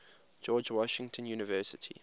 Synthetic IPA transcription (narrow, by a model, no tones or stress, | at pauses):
d͡ʒɔːd͡ʒwɔʃɪ̃ŋtʰə̃njuːnɪvɜːˑsɪtʰḭ